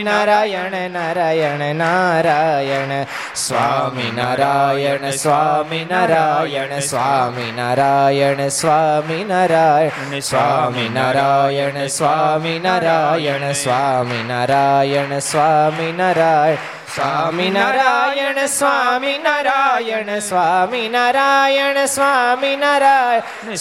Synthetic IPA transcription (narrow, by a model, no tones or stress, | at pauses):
naɾajɐnnaɾajɐɳɨnaɾajɐɳɨ | sʋaminaɾajɐɳɨsʋaminaɾajɐɳsʋaminaɾajɐɳɨsʋaːminaɾa | sʋaminaɾajɐɳsʋaminaɾajɐɳsʋaːminaɾajɐɳɨsʋaːminaɾaj | saminaɾajɐɳsʋaminɾajɐɳsʋaːminaɾajɐɳɐsʋaːminaɾa